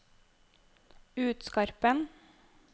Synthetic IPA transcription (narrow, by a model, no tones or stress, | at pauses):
ʉːt̪skɑɾpən